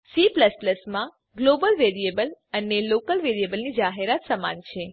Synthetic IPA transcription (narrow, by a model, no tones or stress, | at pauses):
sipləspləsmã | ɡlobəlʋeɾiebələnelokəlʋeɾijebəlnid͡ʒaɦeɾat̪səma̰nt͡ʃʰe